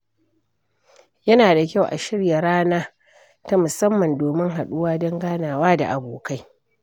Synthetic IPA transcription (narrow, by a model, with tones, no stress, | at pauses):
jɐ˦naː˨da˨kʲa˦˨wʔa̰˨ʃɪ˦ɽja˨ɾaː˦naː˦ | ta˦mʊ˨sɐ˦mːɐ˨ndoː˨mɪ˦ŋɦa˨ɗʊ˦waː˦dɔ˦ŋɡaː˦naː˨waː˦da̰˨ʔa˨boː˨ka˦j